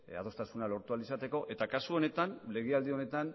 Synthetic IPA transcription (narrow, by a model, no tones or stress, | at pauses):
a̰ð̞o̞st̪asunalo̞ɾt̪ualisat̪e̞ko̞ʔe̞t̪akasuo̞ne̞t̪anle̞ɣeald̪io̞ne̞t̪an